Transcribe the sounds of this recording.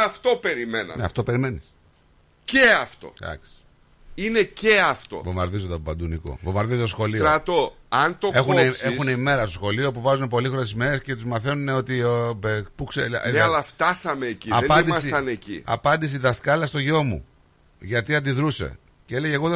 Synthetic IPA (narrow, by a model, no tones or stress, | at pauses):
ɐft̪o̞pe̞ɾimenɐ̰nɐ̰ft̪opeɾime̞nis | ceɐft̪o̞̰d̪ɐ̰ksi̥ | ineceɐft̪o̰vomɐɾðizot̪obɐd̪uniko̞̰vomɐɾðizot̪osxo̞lioɾɐt̪oɐnt̪oe̞xunneexuneime̞ɾɐst̪osxo̞lio̞puvɐzune̞p̬o̞lixoɾesizmeɾesce̞t̪uzmɐθenune̞o̞t̪iepukseeɐlɐft̪ɐsɐmeːciɐepɐnid̪imɐssiɐnecḭɐ̰pɐnd̪is̬iðɐskɐlɐst̪o̞ʝo̞mṵ | ʝɐt̪iɐnd̪iðɾuse̞̰ | ceeleʝɐeɣoð